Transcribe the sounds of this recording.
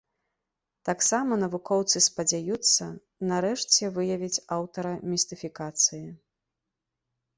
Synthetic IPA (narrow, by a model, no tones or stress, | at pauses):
t̪aksamɐnɐvukɔwt̪sɨspɐd͡zʲajut̪sːɐ | nɐɾɛʂt͡sʲɛvɨjɐvʲit͡sʲawt̪ɐɾɐmʲist̪ɨfʲikat̪sɨji